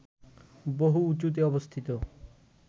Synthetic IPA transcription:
boɦuut͡ɕut̪̬eɔbost̪ʰit̪o

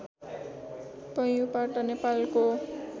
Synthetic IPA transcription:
pʌjuparʈʌnepalko

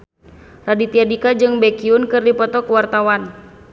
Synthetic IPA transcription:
radit̪iadikad͡ʒɨŋbɛkiunkɨrdipɔt̪ɔkwart̪awan

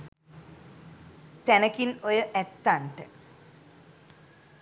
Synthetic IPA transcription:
t̪ænəkinojəʔɛt̪ːaɳʈə

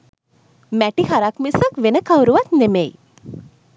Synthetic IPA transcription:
mæʈihaɾakmisəkʋenəkʰawɾuʋat̪nemeji

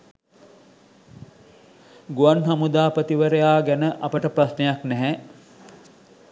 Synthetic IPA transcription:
ɡuansamud̪aːpət̪iʋəɾəjaːɡænəʔɐpəʈəprasnejaknɛɦɛ

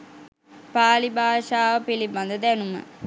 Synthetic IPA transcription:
paːlibaːʃaːʋɐpilibɐnd̪əd̪ænumə̰

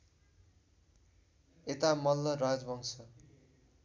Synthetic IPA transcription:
et̪amʌlːʌrad͡zbʱʌŋsʌ

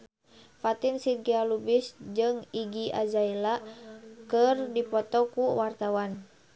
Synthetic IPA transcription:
fat̪insirɡialubisd͡ʒɨŋiɡiʔa̰d͡ʒailakɨrdipɔt̪ɔkuwart̪awan

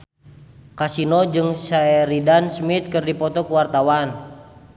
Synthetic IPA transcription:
kasinɔd͡ʒɨŋsaɛɾidansmit̪̚kɨrdipɔt̪ɔkuwart̪awan

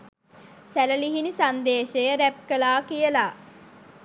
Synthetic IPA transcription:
sæləliɦinisand̪eːʃejəɾæp̚kəlaːkijəlaː

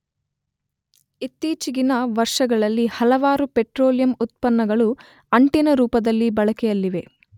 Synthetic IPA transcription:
it̪ːiːt͡ʃiɡinɐʋɐɾʂɐɡɐɭɐlːihɐlɐʋaːɾupeʈɾoːlijɐmut̪̚pɐnːɐɡɐɭu | ɐɳʈinɐɾuːpɐd̪ɐlːibɐɭɐkɛjɐlːiʋe̞

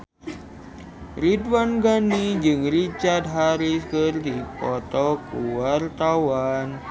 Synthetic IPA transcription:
ridwanɡanid͡ʒɨŋrit͡ʃard̪ɦaɾiskərd̪ipɔt̪ɔkuwart̪awan

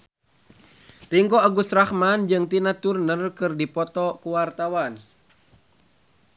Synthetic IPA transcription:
riŋkɔaɡusrahmand͡ʒɨŋt̪inat̪urnərkɨrdipɔt̪ɔkuwart̪awan

